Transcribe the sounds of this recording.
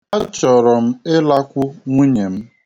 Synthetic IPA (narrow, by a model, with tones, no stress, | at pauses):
a˦t͡ʃɔ˨ɾɔ˨m̩˦ɪ˦la˦kʷʊ˦ŋʷu˦ɲe˨m̩˦